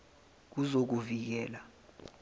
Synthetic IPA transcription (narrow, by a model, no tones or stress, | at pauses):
k̬uzok̬uvik̬ɛːla